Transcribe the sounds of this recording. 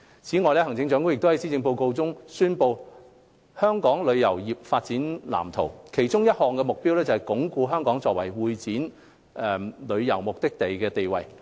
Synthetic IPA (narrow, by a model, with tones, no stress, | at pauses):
t͡sʰiː˨˥ŋɔː˨˧jlɛː˥hɐ˨˩ŋt͡sɪ˧ŋt͡sœː˨˥ŋkʊ˥ŋjɪk̚t̪o˥hɐ˨˥jsi˥t͡sɪ˧ŋpo˧wko˧wt͡sʊ˥ŋsyː˥npo˧w | hœː˥ŋkɔː˨˥ŋlɵ˨˧ɥjɐ˨˩wjiː˨p̚faː˧t̚t͡siː˨˥nla̰ː˨˩mt̪ʰo˨˩wkʰe˨˩jt͡sʊ˥ŋjɐ˥t̚hɔː˨˩ŋkɛ˧mʊ˨k̚piː˥wlɛː˥t͡sɐ˩hɛ˨jkʊ˨˥ŋkuː˧ɦœː˥ŋkɔː˨˥ŋt͡sɔː˧k̚wɐ˨˩jwuː˧jt͡siː˨˥n | ʔɛ˨˧lɵ˨˧ɥjɐ˨˩wmʊ˨k̚t̪ɪ˥k̚t̪e˨jkɛː˧t̪e˨jwɐ̰˨˩j